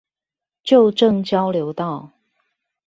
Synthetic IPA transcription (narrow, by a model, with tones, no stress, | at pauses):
t͡ɕjo˥˨ʊʈ͡ʂɤ˥˨ŋt͡ɕjɑ˦ʊljo˧˦ʊt̪ɑ˥˨ʊ